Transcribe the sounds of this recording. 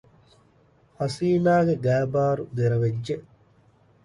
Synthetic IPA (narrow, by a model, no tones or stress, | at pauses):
hɐsiːnaːɡeɡæːbaːɾud̪eɾɐʋed͡ʒʒe